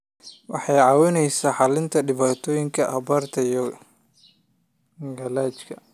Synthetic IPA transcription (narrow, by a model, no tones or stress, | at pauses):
wɑ̰ħɑjʕɑːwɪnɛjsaːħɑlɪnt̪ʰɐɖɪβaːt̪ʰɔːjɪŋkʰɐʔɐbɐrt̪ʰɐjɔ | ɡɐlaːt͡ʃkʰɐ